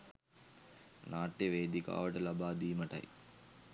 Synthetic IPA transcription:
naːʈːjeʋeːd̪ika̰ːʋəʈəlabaːd̪iːməʈɐ̰j

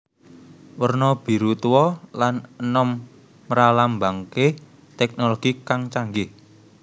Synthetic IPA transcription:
wərnɔb̥i̤ɾut̪uwɔlanənɔmː | əɾalambaŋke | t̪ɛk̚noloɡ̥ikaŋt͡ʃaŋɡɪh

